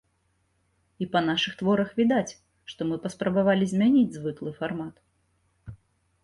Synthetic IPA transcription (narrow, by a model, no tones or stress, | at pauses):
ipɐnaʂɨxt̪vɔɾɐxvʲid̪at͡sʲ | ʂt̪ɔmɨpɐspɾɐbavalʲizʲmʲanʲid͡zʲzvɨklˠɨfarmat̪